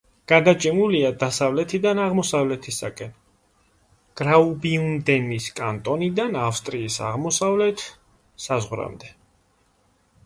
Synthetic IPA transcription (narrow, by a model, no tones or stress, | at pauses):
ɡ̥ad̪at͡ʃʼimuliad̪asavlɛt̪ʰid̪anaʁmɔsavlɛt̪ʰisakʼɛn | ɡ̥ɾaubiund̪ɛniskʼant̪ʼɔnid̪anafst̪ʼɾiːsa̰ʁmɔsavlɛt̪ʰ | sazʁɾa̰md̪ɛ